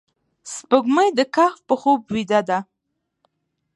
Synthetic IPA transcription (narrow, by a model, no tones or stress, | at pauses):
spəɡməjd̪əkaxpəxobwid̪ad̪a